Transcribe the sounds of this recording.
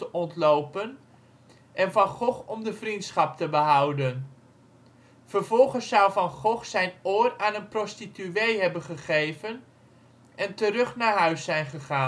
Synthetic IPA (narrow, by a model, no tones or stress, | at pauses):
əɔntlowpən | ʔɛnvɑnχɔχɔmdəvrintsχɑp̚təbəɦʌwdən | v̥əɹvɔlˠχəsʌwvɑnχɔχsɛjnoːraːnənprɔstityejɦɛbənχəχejvən | ʔɛntərɵχnaːɹɦœɥsɛjnχəχaː